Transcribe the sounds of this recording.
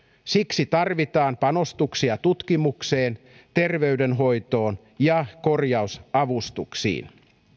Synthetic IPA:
siksit̪ɑrʋit̪ɑːmpɑno̞st̪uksiɑt̪ut̪kimukse̞ːn | t̪e̞rʋeydenɦo̞jt̪o̞ːn | jɑko̞rjɑusɑʋust̪uksḭːn

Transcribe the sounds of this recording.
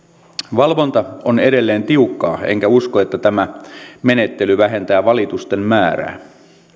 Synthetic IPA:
ʋɑlʋo̞nt̪ɑonede̞lːe̞ːnt̪iukːɑːḛŋkæuskoet̪ːæt̪æmæme̞ne̞t̪ːe̞lyʋæɦe̞nt̪æːʋɑlit̪ust̪e̞mmæːɾæ̰ː

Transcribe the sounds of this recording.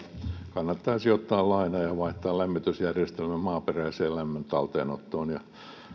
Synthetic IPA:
kɑnːɑt̪ːɑːsiot̪ːɑːllɑinɑjɑʋɑiht̪ːˑɑːllæmːit̪ysjærjest̪elmæmmɑːperæiseːllæmːønt̪ɑlt̪ḛːnot̪ːoːnjɑ

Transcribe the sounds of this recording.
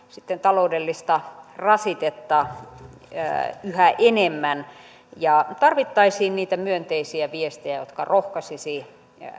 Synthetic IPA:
sit̪ːent̪ɑloudelːist̪ɑrɑsit̪et̪ːɑ | yhæʔenemːæn | jɑt̪ɑrʋit̪ːɑisiːnniːt̪æmyønt̪eisiæʋiest̪ejæjot̪kɑrohkɑsisi

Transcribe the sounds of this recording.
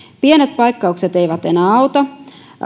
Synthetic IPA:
pienet̪̚pɑikːɑukset̪e̞iʋæt̪enæːɑut̪ɑ

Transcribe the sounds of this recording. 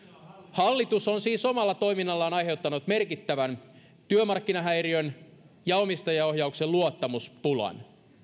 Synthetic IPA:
hɑlːit̪usonsiːso̞mɑlːɑt̪o̞iminːɑlːɑːnɑjɦe̞wt̪ːɑnut̪me̞rkit̪ːæʋæn | t̪yømɑrkːinɑɦæjriøn | jɑomist̪ɑjɑohjɑukselluot̪ːɑmuspulɑ̰n

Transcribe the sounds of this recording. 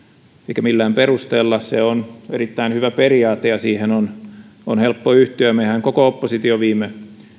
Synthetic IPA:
eikæmilːæːmperust̪eːlːɑsseoneɾit̪ːæinhyʋæperiɑːt̪ːˑejɑsiːhenononhelpːoyht̪yæmehæŋkokoopːosit̪ioʋiːmˑe

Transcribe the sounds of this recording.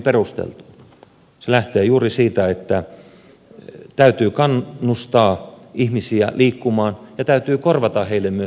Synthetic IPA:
perust̪ḛlt̪u̥ | selæht̪eːjuːrisiːt̪æet̪ːæ | t̪æyt̪yːkɑnːust̪ɑːihmisiæ̰liːkːumɑːnjɑt̪æyt̪yːkorʋɑt̪ɑheilːemmyø

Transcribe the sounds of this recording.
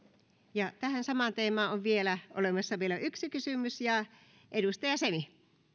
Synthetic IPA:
jɑt̪æhænsɑmɑnt̪eːmɑoʋʋielæʔo̰lemɑsːɑmeiloʔyksikysymysjɑ | ʔedust̪ɑjɑsemi

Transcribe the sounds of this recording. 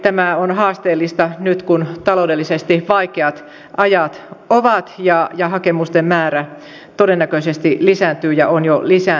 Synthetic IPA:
t̪æmæonhɑːst̪eːlːist̪ɑnyt̪kunt̪ɑloudelːisest̪iʋɑikeɑt̪ | ʔɑjɑt̪oʋɑt̪jɑjɑhɑkemust̪emmæːræ | t̪odenːækøsest̪ilisænt̪yːjɑʔonjolisæ

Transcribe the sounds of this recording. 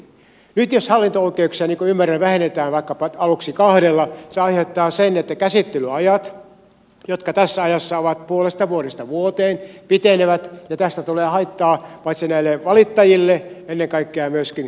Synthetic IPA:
nyt̪joshɑlːint̪ooikeuksiɑniːŋkoymːæræʋæhenːet̪æːnʋɑˑikːɑpɑɑluksikɑhɾelːɑseɑihet̪ːɑːsenet̪ːækæsit̪ːelyɑjɑt̪ | jot̪kɑt̪æsːæɑjɑsːɑoʋɑt̪̚puolest̪ɑʋuoɾest̪ɑʋuot̪eːnpit̪eneʋæt̪jɑt̪æst̪æt̪uleːhɑit̪ːɑːpɑit̪senæilːeʋɑlit̪ːɑjilːeenːeŋkɑikːeɑmyøskin

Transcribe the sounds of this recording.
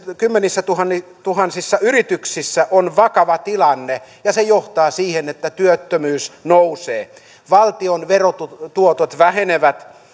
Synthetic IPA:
kymːenisːæt̪uhɑnːit̪uhɑnsisːɑyrit̪yksisːæʔonʋɑkɑʋɑt̪ilɑnːejɑsejoht̪ɑːsiːhenet̪ːæt̪yøt̪ːømyːsnouseː | ʋɑlt̪ionʋerot̪ut̪uot̪ot̪ʋæheneʋæt̪

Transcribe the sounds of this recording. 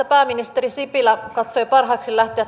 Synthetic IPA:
æpæːmːinist̪erisipilækɑt̪sojpɑrɦɑːksilæht̪eæt

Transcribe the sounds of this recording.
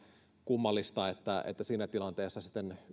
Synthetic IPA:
kumːɑlːist̪ɑet̪ːæḛt̪ːæsiːnæt̪ilɑnt̪eːsːɑsi̥t̪ːen

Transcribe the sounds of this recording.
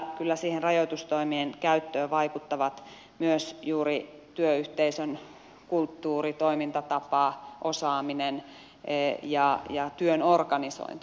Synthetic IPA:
kylːæsiːhenrɑjot̪ust̪oimienkæyt̪ːøːʋɑikut̪ːɑʋɑt̪ | myøsjuːrit̪yøyht̪eisøn | kult̪ːuːrit̪oimint̪ɑt̪ɑpɑˑʔosɑːminen | jɑjɑt̪yønorɡɑniso̰int̪i

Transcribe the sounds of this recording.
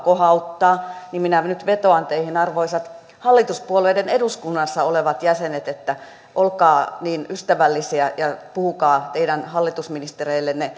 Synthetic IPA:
kohɑut̪ːɑːnimminænyt̪ʋet̪oɑnt̪eihinɑrʋoisɑt̪ | hɑlːit̪uspuoleideneduskunːɑsːɑoleʋɑt̪jæsenet̪et̪ːæ | ʔolkɑːniːnyst̪æʋælːisiæjɑpuhukɑːt̪eidænhɑlːit̪usminist̪ereilːenne

